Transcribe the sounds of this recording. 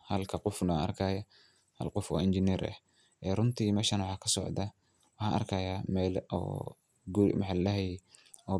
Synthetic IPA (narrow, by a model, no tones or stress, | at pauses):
hɐlkʰɐqʊfnɐɐ̰rkʰaːjɐ | hɐ̰lqʊfɔ̰ːɪnd͡ʒɪniːɾʔɐ̰h | ʔɛːrʊnt̪ʰiːmɛːʃɐnwɑħɑːkʰɐsɔ̰ʕd̪ɐ | wɑħɑːʔɐ̰rkʰaːjaːmɛːlʔɔ̰ː | ɡʊɾ̰mɑħɑllɐɦɛjɛ | ɔː